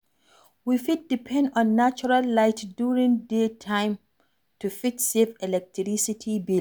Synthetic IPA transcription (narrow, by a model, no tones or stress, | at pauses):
wifit̚dipʰɛ̃ndɔ̃nːat͡ʃɔɹalːaɪtdjuɹĩŋdetʰãɪ̃m | tufitsevɛlɛk̚tɹisitʰibi